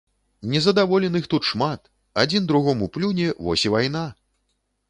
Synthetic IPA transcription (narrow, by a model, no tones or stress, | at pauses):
nʲɛzɐd̪avɔlʲɛnɨxt̪ut̪ʂmat̪ | ad͡zʲind̪ɾuɣɔmuplʲunʲɛvɔ̰sʲivajna